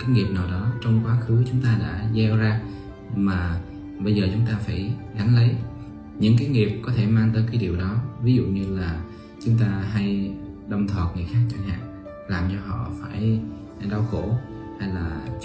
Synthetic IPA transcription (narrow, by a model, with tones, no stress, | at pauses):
kaː˨˦jŋi˨˩p̚naː˨˩wɗɔ˨˦t͡ɕɔ˧wŋ͡mkwaː˨˦xɨ˨˦t͡ɕʊ˨˦ŋ͡mt̪aː˧ɗa̰ː˧˥zɛ˧wzaː˧ | maː˨˩ | ɓə˧jzəː˨˩t͡ɕʊ˨˦ŋ͡mt̪aː˧faː˧˩jɣa˨˦nlə˨˦j | ɲɨ̰˧˥ŋkaː˨˦jŋi˨˩əp̚kɔ˨˦t̪ʰe˧˩maː˧ŋt̪əː˨˦jkaː˨˦jɗi˨˩əwɗɔ˨˦vi˨˦zṵ˧˨ɲɨ˧laː˨˩ | t͡ɕʊ˨˦ŋ͡mt̪aː˧ɦa˧j | ɗə˧wŋ͡mt̪ʰwaː˨˩t̚ŋɨ˨˩əjxaː˦˥k̚t͡ɕa˧ŋɦa̰ː˧˨ŋ | laː˨˩mt͡ɕɔ˧ɦɔ̰˧˨faː˧˩j | ɗa˧wxo˧˩ | ha˧jlaː˨˩